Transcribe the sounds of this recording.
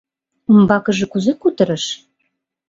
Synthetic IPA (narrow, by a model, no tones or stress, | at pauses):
ə̆mbɑkɤ̆ʒɤ̆kuzekut̪ə̆ɾə̆ʃ